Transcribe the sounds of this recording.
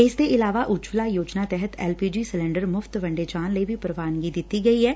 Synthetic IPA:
ɪsd̪eːʔɪlaːʋaːʔʊd͡ʒʋlaːjoːd͡ʒnaːt̪ɛɦət̪ɛːlpiːd͡ʒiːsɪlɛ̃ːɳɖəɾmʊfʰt̪ʋə̃ɳɖeːt͡ʃaːnləiːʋʱiːpɾəʋaːnɡiːd̪ɪt̪ːiːɡəiːɦɛː

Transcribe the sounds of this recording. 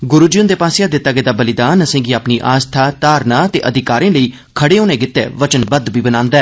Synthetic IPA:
ɡʊɾuːd͡ʒiʊnd̪eːpaːsjaːd̪ɪt̪ːaːɡəeːd̪aːbəlɪd̪aːnəsẽːɡiːaːpniːʔaːst̪ʰaːt̪aːɾnaːt̪ḛːʔəd̪ɪkaːɾẽːləiː | kʰəɽeːoːnẽːɡɪt̪ːḛːʋət͡ʃənbəd̪ʋiːbənãːnd̪ɛː

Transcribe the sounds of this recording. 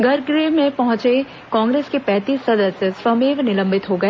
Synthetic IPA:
ɡʱɐɾɡɾemẽpɐɦʊ̃t͡ʃe | kãːŋɡɾeːskepɛːt̪iːsːɐd̪əsəswɐmeːʋnɪlə̃mbɪt̪ɦoɡɐeː

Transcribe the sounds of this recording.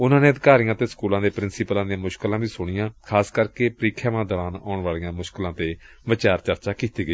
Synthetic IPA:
ʊnãːneːəd̪ɪkaːɾijãːt̪eːskuːlãːd̪eːpɾɪnsipəlãːd̪ɪjãːmʊʃkəlãːbiːsʊɽ̃ɪjãːkʰaːskəɾkeːpəɾiːkʰjaːʋãːd̪əʋaːnɔ̰ːɳʋaːlijãːmʊʃklãːt̪eː | ʋət͡ʃaːɾt͡ʃəɾt͡ʃaːkiːt̪iːɡəi

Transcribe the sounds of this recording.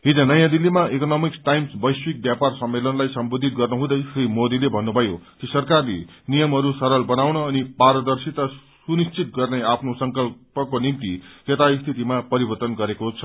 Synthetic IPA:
ɦid͡zʌnʌjãd̪ilːimaʔikonʌmiksʈajmsbʌjswik̚bjaparsʌmːelʌnlajsʌmbod̪ʱit̪̚ɡʌrnuɦũd̪ʌjsrimod̪ilebʱʌnːubʱʌjokisʌrkarlḛnijʌmɦʌɾusʌɾʌlbʌnawnʌːnipaɾʌd̪ʌrsit̪ʌsunist͡sit̪̚ɡʌrneapʰnosʌŋkʌlpʌkonimt̪iket̪aist̪ʰit̪imapʌɾibʌrt̪ʌnɡʌɾekot͡sʰʌ̥

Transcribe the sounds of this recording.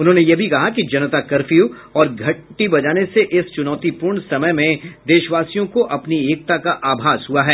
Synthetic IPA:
ʊnɦõːnejebʱikɐɦakid͡ʒɐnət̪akɐɾfiu | ɔːɾɡʱɐʈːibɐd͡ʒaːneseʔɪst͡ʃʊnɔːt̪ipʊɾɳsɐməjmẽd̪eːʃəʋaːsijõkoʔɐpnieːk̚t̪akaʔaːbʱaːsɦuaɦɛː

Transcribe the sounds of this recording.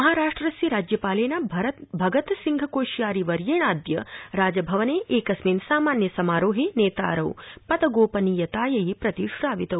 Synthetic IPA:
mɐɦaːɾaːʂʈɾɐsiɾaːd͡ʒjɐpaːleːnaːbʱɾɐbʱɐɡɐt̪ɐsiŋɡʱɐkoːʃjaːɾiʋɐɾjeːɳaːd̪jɐɾaːd͡ʒɐbʱɐʋɐneːʔeːkɐsmiːnsaːmaːnjɐsɐmaːɾoːɦineːt̪a̰ːɾɐwpɐd̪ɐɡoːpɐnijɐt̪aːjɐjipɾɐt̪iʃɾaːʋit̪ɐw

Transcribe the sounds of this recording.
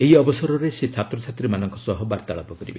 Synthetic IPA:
eɦiɔbɔsɔɾɔɾeset͡ʃʰat̪ɾɔt͡ʃʰat̪ɾimanɔŋkɔsɔɦɔbaɾt̪aɭɔpɔkɔɾḭbe

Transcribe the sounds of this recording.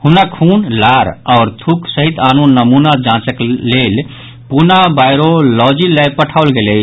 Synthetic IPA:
hunakʰuːnlaɾɔːɾt̪ʰuksəɦit̪aːnonːəmunad͡ʒãt͡ʃəklel | punabaɪɾolɔd͡ʒilɛjpəʈʰaʊlɡele

